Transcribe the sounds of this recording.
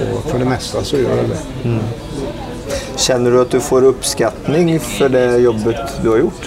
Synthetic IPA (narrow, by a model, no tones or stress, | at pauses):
ɔ̰fɔɖɛmɛst̪əsɔjø̰ːɾæd̪ɛ̰ | ɕɛnːəɖɵɑt̪̚d̪ʉfoːɾɵpːskɑt̪nɪŋfɔɖɛjɔbːət̪d̪ʉhɑɾjʊʈː